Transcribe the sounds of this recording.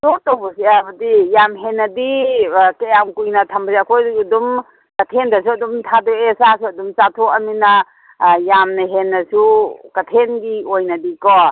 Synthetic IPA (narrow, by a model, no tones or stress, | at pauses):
sotɔbɔsiabɐdijamɦenːɐdikejamkujnɐtʰɐmbɐzakʰojddum | kɐtʰendɐs̬uɐdumtʰadɔesasuɐdumt͡ʃatʰoɐminɐ | jamnɐɦenːɐsukɐtʰenɡiojnɐdikɔ